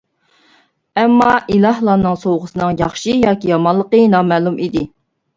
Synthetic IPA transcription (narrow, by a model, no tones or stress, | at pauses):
ɛmːɑʔilˠɑhlˠɑnɨŋsowʁəsɨnɨŋjɑχʃijɑːkʲijɑmɑnlːˠəqənɑːmɛːlˠumid̪ɪ